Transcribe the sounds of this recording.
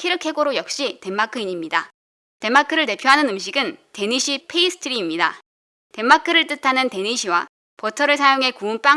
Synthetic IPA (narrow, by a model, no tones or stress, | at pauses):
kʰiɾɯkʰe̞ɡoɾojʌk̚ɕ͈ite̞mːakʰɯiɲimɲida | te̞makʰɯɾɯɭte̞pʰjoɦanɯnɯmɕ̬ʰiɡɯnte̞ɲiɕʰipʰeisʰɯ̥tʰɯɾiːmɲida | te̞mːakʰɯɾɯɭt͈ɯtʰanɯnte̞ɲiɕʰiwa | potʰʌɾɯɭs̬ʰajoŋɦe̞kuunp͈a